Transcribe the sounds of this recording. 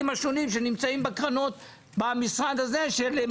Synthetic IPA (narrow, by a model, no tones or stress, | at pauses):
mhaʃo̞nimʃenimt͡saimbekʁano̞t̪̚ | bamisʁad̪hazeʃele